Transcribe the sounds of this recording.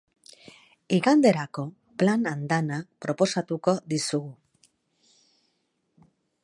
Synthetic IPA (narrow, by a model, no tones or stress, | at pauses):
iɣand̪e̞ɾako̞ | planand̪anapɾo̞po̞sat̪uko̞ðisuɣu